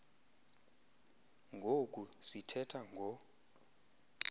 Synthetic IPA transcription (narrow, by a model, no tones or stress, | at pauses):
ŋɡʱokʼusitʰɛtʰaŋɡʱɔ